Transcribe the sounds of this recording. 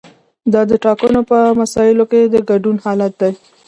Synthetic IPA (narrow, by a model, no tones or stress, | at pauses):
d̪ɑd̪əʈɑkənopəmasɑjɪloked̪əɡaɖunhɑlat̪̚d̪aj